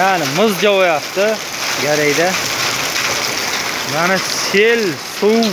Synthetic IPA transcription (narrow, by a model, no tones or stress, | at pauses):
anɪmɨzd͡ʒawajap̚t̪ɪ | ɡaɾajd̪a | manaselsʊw